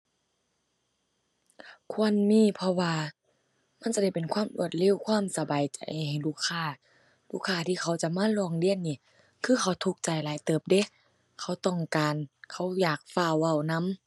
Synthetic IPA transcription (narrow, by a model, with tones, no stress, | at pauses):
kʰu˧˨ənmiː˧˥˨pʰɔ˧waː˧ | ma˧˥˨nt͡ɕa˧˦da˧˩jpe˨nkʰwaː˧˥˨mʔṵ˧˩ət̪̚le˧˥˨wkʰwaː˧˥˨msa˧baː˨jt͡ɕa˨jha˨ha˨˩jluː˧˩kʰːaː˧˩ | luː˧˥˨kʰːaː˧˩t̪ʰiː˧˨kʰa˧˩wt͡ɕa˧˦maː˧˥˨lɔː˧˨ŋli˧˨ənːiː˧˩ | kʰɯː˧˥˨kʰa˧˩wt̪ʰu˧k̚t͡ɕa˨˩jlaː˨˦jt̪ɤː˨˩p̚de˧˦ | kʰa˧˩wt̪ɔ˧˩ŋkaː˨nkʰa˧˩˦wjaː˨˩k̚faː˧˩˨wwa˧˩wna˧˥˨m